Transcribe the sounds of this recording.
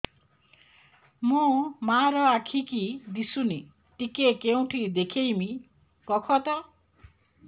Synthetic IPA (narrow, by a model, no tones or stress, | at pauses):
mũmaɾɔakʰikid̪isuni | ʈikekeũʈʰid̪ekʰejmi | kɔkʰɔt̪a